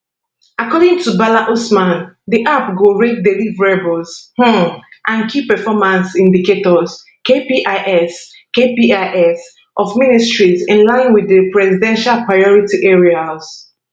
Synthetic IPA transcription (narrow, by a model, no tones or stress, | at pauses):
akɔɾɪ̃ŋtʰubalaʔosmãndiʔapɡoɹek̚delivɹebɔlzhũʔãnkʰipɛfɔmãnsĩndiketɔz | kepiʔaɪʔɛs | kepiaʔɛs | ʔɔvministɹizĩnlãɪ̃nwiðəpɹɛzidɛ̃nʃalpɹaɪɔɹitiʔɛɹiaz̥